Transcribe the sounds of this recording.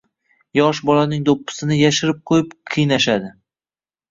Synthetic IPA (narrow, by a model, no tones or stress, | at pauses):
jɒʃbɒlanɪŋd̪opːɪ̥sɪnɪjaʃɪɾɪp̚qʰojɪpqʰɨjnaʃad̪ɪ